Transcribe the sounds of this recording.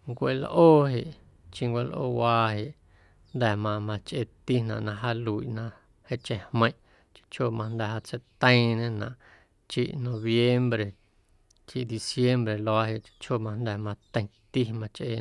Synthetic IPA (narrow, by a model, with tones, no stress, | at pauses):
ŋkʷe˧˨lʔoː˦ɦe˨ʔ | t͡ʃĩ˧ŋkʷe˧lʔo̰ː˦waː˧ɦe˨ʔ | nd̪ɛ˨mã˧mã˧t͡ʃʔe˧t̪i˦nã̰˨ʔnã˧ʔɦa˦lu˨i˨ʔnã˧ʔ | he˦ʔt͡ʃẽ˧˨hmə̃˧j̃ʔ | t͡ʃi̥˧t͡ʃʰo˦˨mã˧nd̪ɛ˨ɦa˧t͡se˧˦t̪ə̃˦˧ĩ˧nẽ˦nã̰˨ʔ | t͡ʃḭ˦ʔnõ˧βje˦mbɾe˨ | t͡ʃi˧ʔd̪i˧sje˦mbɾe˨lo˧a˧ɦe˨ʔt͡ʃi̥˧t͡ʃʰo˦˨mã˧nd̪ɛ˨mã˧t̪ə̃˧t̪i˦mã˧t͡ʃʔe˧˨